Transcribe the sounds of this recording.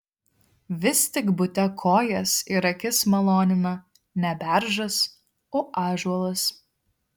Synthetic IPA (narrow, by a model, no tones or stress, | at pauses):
ʋʲɪst̪ʲɪkbʊt̪ʲɛkʰoːjɛsiɾɐkʲɪsmɐlˠoːnʲɪmɐ | nʲɛbʲæˑɾʒɐs | oːʔɑːʒuɔlˠɐs